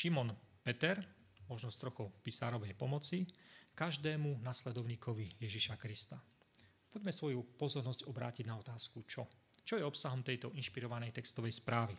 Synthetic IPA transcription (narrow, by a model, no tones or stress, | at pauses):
ʃimɔnpɛt̪ɛɾ | mɔʒnɔst̪ɾɔxɔpisa̰ːɾɔʋɛjpɔmɔt͡sikaʒd̪ɛːmunaslɛd̪ɔʊɲiːkɔʋijɛʒiʃakɾist̪a | pɔɟmɛsʋɔjupɔzɔɾnɔzɟɔbɾa̰ːciɟnaɔt̪aːskut͡ʃɔt͡ʃɔjɛɔpsaɦɔmt̪ɛjt̪ɔinʃpiɾɔʋanɛjt̪ɛkst̪ɔʋɛjspɾaːʋi